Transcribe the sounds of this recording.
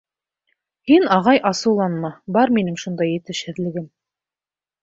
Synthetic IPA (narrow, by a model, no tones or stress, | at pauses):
hinɑʁɑjʔɑsɤ̆wlˠɑnmɑbɑɾminɘŋʃund̪ɑjɘ̆t̪ɘ̆ʃhɘ̆ðlɘ̆ɡɘm